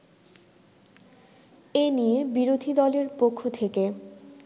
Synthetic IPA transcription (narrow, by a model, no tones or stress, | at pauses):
enijebiɾod̪ʱid̪ɔleɾpokʰːot̪ʰeke